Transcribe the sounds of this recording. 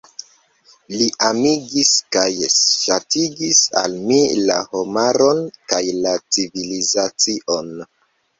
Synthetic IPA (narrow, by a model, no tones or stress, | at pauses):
liʔamiɡiskajʃatiɡisa̰lmila̰homaɾo̞nkajlat͡sivilizat͡siʔon